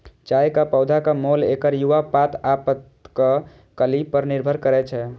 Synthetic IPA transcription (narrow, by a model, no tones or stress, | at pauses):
t͡ʃajkapɔwd̪ʱakəmolekəɾjuʋapat̪apət̪ | kə | kəlipːəɾniɾbʱəɾkəɾɛt͡ʃʰɛ